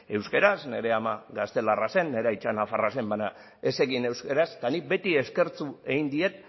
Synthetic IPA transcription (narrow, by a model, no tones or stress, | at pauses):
e̞wskeɾasne̞ɾe̞amaɣast̪e̞larase̞nːe̞ɾajt͡ʃanafarase̞mbaɲa | e̞se̞ɣine̞wskeɾast̪anibe̞t̪ie̞ske̞ɾt͡sue̞ɣind̪ie̞t̪̚